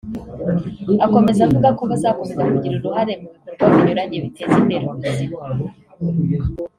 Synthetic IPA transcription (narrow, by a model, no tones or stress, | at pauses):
ako̞me̞zavuɡakuβazakumezakuɟiɾuɾuɦaɾe̞muβikoɾɡwaβiɲuɾaɲeβitʰeːzimbeɾumizi